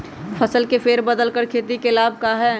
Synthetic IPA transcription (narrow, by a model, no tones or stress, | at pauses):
fʰɐsəlkefeːɾbəd̪əlkəɾkʰeːt̪ikelaːb̚ʱkaɦɛː